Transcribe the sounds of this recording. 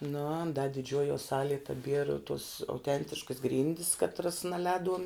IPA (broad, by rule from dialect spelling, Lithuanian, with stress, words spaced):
nʊ ɐn dɐ dʲɪˈd͡ʒʲuɔjuɔ ˈsɑːlʲiɛ tɐˈbʲiɛrɐ tuɔs ɐʊˈtʲɛnʲtʲɪʃkɐs ˈɡrʲiːnʲdʲɪs kɐtˈrɐs nɐˈlʲɛːduɔm